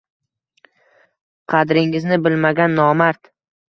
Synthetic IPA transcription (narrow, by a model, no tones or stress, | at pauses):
qʰɑd̪ɾɪŋɪznɪbɪlmaɡʲanːɒmaɾt̪